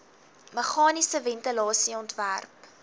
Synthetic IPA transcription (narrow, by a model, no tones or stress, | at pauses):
məχɑːnisəvɛntəlɑːsiɔntværp